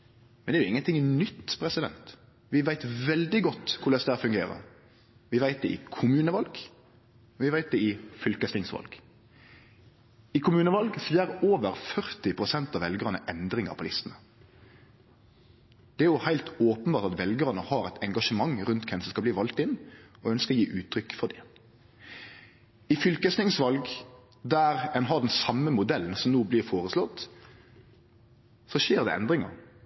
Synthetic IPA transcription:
mɛnd̪ɛɾjʊɪŋːənt̪ɪŋnʏt̪ːpʰɾɛsɪd̪ɛ̰nt̪ | ʋɪʋæɪt̪ʋɛld̪ɪɡɔt̪ːkʰʊɾlɛsd̪æɾfʉŋɡeːɾə̰ɾ | ʋɪʋæɪt̪̚d̪ɛʔɪ̰kʰʊmʉːnəʋɑlɡ | ʋɪʋæɪt̪̚d̪ɛɪfʏlkəst̪ɪŋsʋɑ̰lɡ̥ | ɪkʰʊmʉːnəʋɑlɡsjæɾoːʋəɾfœɾt̪ɪpʰɾʊsɛnt̪ɑʋɛlɡəɾənə̰ʔɛnd̪ɾɪŋɑ̰pʰʊlɪst̪ənə | d̪̥ɛæːjʊhæɪlt̪oːpənbɑːɾt̪ɑt̪ʋɛlɡəʁnəhɑːɾæɪt̪ʰɛŋɡɑʂəmɑŋʁʉnt̪kʰɛnsɔskɑlbliːʋɑlt̪ɪnːɔœnskəɔjiːʔʉːt̪ʰɾʏkːfɔd̪ɪ | ɪfʏlkəsnɪŋsʋɑlɡ | d̪æɾɛnɦɑɖ̪ɛnsɑmːəmʊd̪ɛln̩sɔmnuːblɪːʁfoːʁəslɔt̪ː | sɔʃeːʁd̪ɛ̰ʔɛ̰nd̪ɾɪŋɑ̰

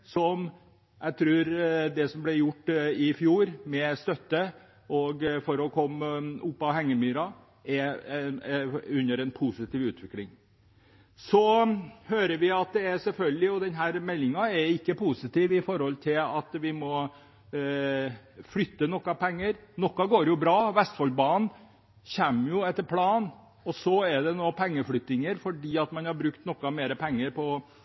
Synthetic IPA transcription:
sɔm | ʔæɪt̪ʰɾʉːɾd̪ɛsɔmblɛɾjʊʈːɪfjuːɾmɛst̪œt̪ːə | ɔɡfɔɾɔkʰɔmːʊpːɑhɛŋːəmyːɾɑ | ɛ | ʉnːəɾɛnpʰusɪt̪ʰiːʋʉːt̪ʰʋɪklɪŋ | sɔhøːɾəʋɪɑt̪̚d̪ɛæɾsɛlfœlɡəlɪɔd̪ɛnɦæːɾmɛlːɪŋɑɛɾɪkːəpʰusɪt̪iːʋɪfɔɾhɔlt̪ʰɪlɑt̪ʋɪmɔ | flʏt̪ːənɔkːɑpɛŋːəɾnɔkːɑɡoːɾjʊbɾɑːʋɛst̪fɔlbɑn | çɛmːjʊɛt̪ːəɾpʰlɑːn | ɔsɔɛɖ̪ɛnoːpʰɛŋːəflʏt̪ːɪŋəɾfɔɖiːɑt̪mɑnhɑɾbɾʉkt̪nɔkːɑmeːɾəpʰɛŋːəɾpʰɔ

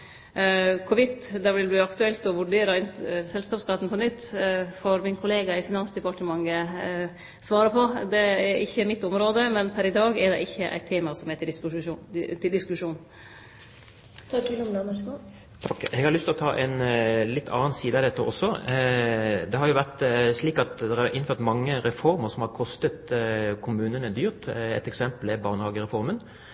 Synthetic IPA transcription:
kʰʊʋɪt̪ːd̪ɛʋɪlb̪ʉːɑkt̪ʉɛlt̪ɔʋʉɖeːɾɑɪnsɛlskɑːpskɑt̪n̩pʰɔnʏt̪ːfɔɾmɪnkʰʊleːɡɑɪfɪnɑnsd̪əpɑʈəmɑŋːə | sʋɑːɾəpʰɔd̪ɛɛɾʔɪçːəmɪt̪ːɔmɾoːd̪əmɛnpʰæɾɪd̪ɑːɡɛɖɛ̰ʔɪçːəʔæ̰ɪt̪ʰːeːmɑsɔmɛt̪ | t̪ʰɪld̪ɪskʉʂuːn | t̪ʰɑkɪlɔmlɛməskɑ | t̪ʰɑkːɛɡhɑɾlʏst̪ʰɪlɔt̪ʰɑːʔɛɪnlɪt̪ːʰɑ̰ːnsiːd̪əɑd̪ɛt̪ːəʔɔsːɔ | d̪ɛhɑɾjʊʋæʁt̪sliːkɑt̪d̪ɛɾɑɾɪnføːʁt̪mɑŋːəɾɛfɔɾməɾsɔmhɑɾkʰɔst̪ət̪kʰʊmʉːnənəd̪yːɾt̪ɛ̰t̪ɛksɛmpəlɛbɑːʁnəhɑːɡəɾɛfɔɾmən

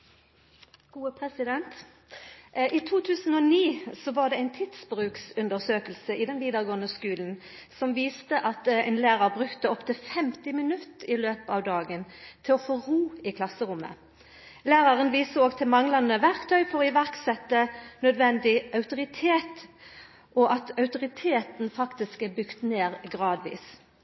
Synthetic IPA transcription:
ɡ̥uːəpʰʁɛsɪd̪ɛnt̪ | ʔiːt̪ʰuːt̪ʰʉːsən̩ɔːniːsɔʋɑʁd̪ɛæɪnt̪ʰɪt̪sbʁʉːksʉnd̪əʁsøːkəlsəʔɪd̪ɛnʋiːd̪əʁɡoːənəskʉːln̩ | sɔmʋiːst̪əʔɑt̪æɪnlæːʁɑʁbʁʉkt̪əɔpt̪ʰɪfɛmt̪ɪmɪnʉt̪əɪløːpɑʋd̪ɑːɡənt̪ʰɪlɔfoːʁuːɪkʰlɑsːəʁʊmːə̰ | læːʁɑʁənʋiːsəoːɡt̪ʰɪlmɑŋlɑnəʋæʁkt̪ʰœʏfɔʁɔɪʋæʁksɛt̪ːənœd̪ʋɛnd̪ɪɑʉt̪ʊʁɪt̪ʰeːt̪ | ʔɔʔɑt̪ɑʉt̪ʊʁɪt̪ʰeːt̪n̩fɑkt̪ɪskɛbʏkt̪neːʁɡʁɑːd̪ʋḭːs

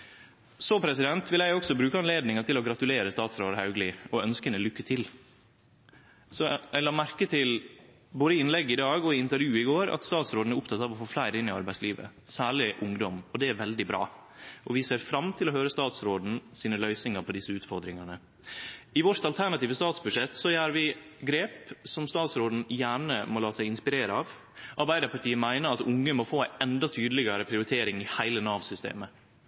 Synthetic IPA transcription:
sɔpʰɾɛsɪd̪ɛnt̪ʋɪlæɪɔksɔbɾʉːkəɑnleːd̪nɪŋɑt̪ɪlɔɡɾɑt̪ʉleːɾəst̪ɑːt̪sɾoːd̪hɑʉɡlɪɔœnskənəlʏkːət̪ʰɪl | sɔæɪlɑːmæɾkət̪ʰɪl | boːd̪əɪɪnlɛɡːɪd̪ɑːɡɔɪɪnt̪əɾjʉːɪɡoːɾɑ̰t̪st̪ɑːt̪sɾoːd̪n̩æɾʊpt̪ʰɑt̪ːɑːʋɔfoːflæɪɾɪnːɪɑɾbæɪsliːʋə̰ | sæːɭɪʔʊŋd̪ɔmɔd̪ɛæɾʋɛld̪ɪbɾɑ̰ː | ʔɔʋɪseːɾfɾɑmt̪ʰɪlɔhøːɾəst̪ɑːt̪sɾoːd̪n̩siːnəlœʏsnɪŋəɾpʰɔd̪ɪsːəʉːt̪fɔɾd̪ɾɪŋɑnə | ɪʋɔɾt̪ɑlt̪ʰæɾɳɑt̪iːʋəst̪ɑːt̪sbʉʂɛt̪ːsɔjæːɾʋɪɡɾeːpsɔmst̪ɑːt̪sɾoːd̪n̩jæːɳəmɔlɑːsæɪɪnspɪɾeːɾəɑːʋ | ʔɑɾbæɪd̪əɾpʰɑʈʰiːəmæɪnəɾɑt̪ʊŋːəmɔfoːæɪʔɛnd̪ɑt̪ʰyːd̪əlɪɡɑɾəpʰɾɪʊɾɪt̪ʰeːɾɪŋɪhæɪlənɑːʋsʏst̪ḛːmə

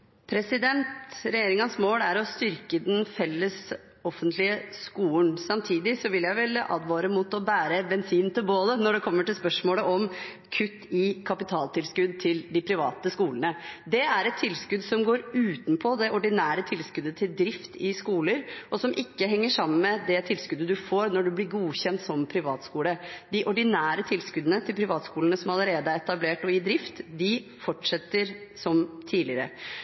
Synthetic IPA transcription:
pʰɾɛsɪd̪ɛnt̪ɾɛjeːɾɪŋɑnsmoːlæɾɔst̪ʏɾkəd̪ɛnfɛlːəs | ɔfːənt̪ʰlɪəskuːənsɑmt̪ʰiːd̪ɪsɔʋɪljæɪʋɛlʔɑ̰ːd̪ʋɑːɾəmuːt̪ɔbæːɾəbɛnsiːnt̪ʰɪlboːd̪ənɔɖɛkʰɔmːəʈɪlspœʂmoːləʔɔm | kʰʉt̪ːɪkʰɑpɪt̪ʰɑːlt̪ʰɪlskʉd̪̚t̪ʰɪld̪ɪpʰɾɪʋɑ̰ːt̪əskuːlənəd̪ɛæɾɛt̪t̪ʰːɪlskʉd̪sɔmɡoːɾʉːt̪npʰɔd̪ɛʔɔɖɪnæːɾət̪ʰɪlskʉd̪ət̪ʰɪld̪ɾɪft̪ɪskuːləɾʔɔsɔmʔɪkːəɦɛŋːəʂɑmːənmɛd̪ɛt̪ʰɪlskʉd̪əd̪ʉfoːɾnɔɖʉblɪɾɡuːçɛnt̪sɔmpʰɾɪʋɑːt̪skuːləd̪ɪʔɔɖɪnæːɾət̪ʰɪlskʉd̪ənət̪ʰɪlpʰɾɪʋɑːt̪skuːlənəsɔmɑləɾeːd̪əæɾɛt̪ɑbleːʈɔɪd̪ɾɪft̪d̪ɪfɔʈʂɛt̪ːəɾsɔmt̪ʰiːlɪəɾə̰

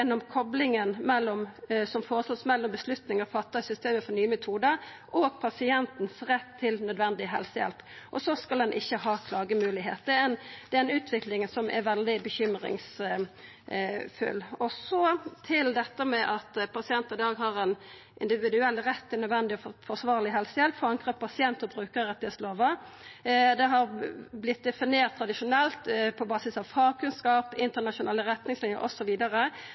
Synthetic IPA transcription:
ɛnːɔmkʰɔblɪŋənmɛlːɔmsɔmfoːɾəsɔt̪smɛlːɔmbəslʉt̪nɪŋɑfɑt̪ːɑsʏst̪eːməfɔɾnyːəmɛt̪ʰuːd̪əɾ | ʔɔɡpʰɑsɪɛnt̪n̩sɾɛt̪ʰːɪlnœd̪ʋɛnd̪ɪəɦɛ̰lsəjɛ̰lp | ʔɔsɔskɑld̪ɛnʔɪçːəɦɑːkʰlɑːɡəmʉːlɪɦḛːt̪d̪ɛɛnd̪̥ɛɛnʉːt̪ʰʋɪklɪŋsɔmʔɛ̰ɾʋɛld̪ɪbəçʏmɾɪ̰ŋs | fʉ̰lːɔsɔt̪ʰɪld̪ɛt̪ːəmɛʔɑt̪pɑsɪɛnt̪əɪd̪ɑːɡɦɑɾɛn | ʔɪ̰nd̪ɪʋɪd̪ʉɛlːɾɛt̪ʰːɪnœd̪ʋɛnd̪ɪɔfɔʁsʋɑːʁlɪɦɛlsəjɛlt̪fɔɾɑŋkʁəpʰɑsɪɛnt̪ɔbʁʉːkəɾəʁɛt̪ːɪheːsloːʋə | d̪ɛɦɑɾblɪt̪̚d̪ɛfɪneːʁt̪ʰːɾɑd̪ɪʂʊnɛlt̪pʰɔbɑːsɪsɑʋfɑːʁkʰʉnskɑːpɪnt̪ənɑʂʊnɛːlːəɾɛt̪nɪŋslɪnjə̰ɾʔɔsɔʋiːd̪əɾə

